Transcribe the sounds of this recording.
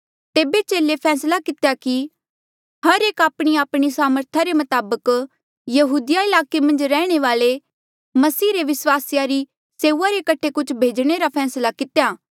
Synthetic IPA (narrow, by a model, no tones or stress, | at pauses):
t̪eːbet͡ʃeːlepʰɛːslakɪt̪ejaki | hɐɾeːkaːpɽ̃iaːpɽ̃isaːməɾt̪ʰaɾemɐt̪aːbək | jɐɦuːd̪ɪjaɪlaːkemɐ̃nd͡ʒɾɛːɽ̃eʋaːle | mɐsiːɾeʋɪswaːsjaɾi | seːuaɾekɐʈʰekʊt͡ʃʰbʱeːd͡ʒɽ̃eɾapʰɛːslakɪt̪ejaː